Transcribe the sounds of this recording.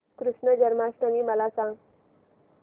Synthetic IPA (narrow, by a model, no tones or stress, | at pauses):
kɾuʂɳəd͡ʑəɾmasʈ̪əmiːməlasãŋ